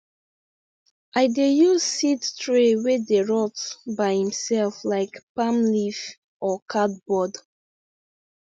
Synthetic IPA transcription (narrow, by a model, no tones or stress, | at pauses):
ʔaɪdejuzsidtɹewedeɹɔtbaɪhĩmsɛlflaɪkpãmlif | ʔɔkʰat̚bɔd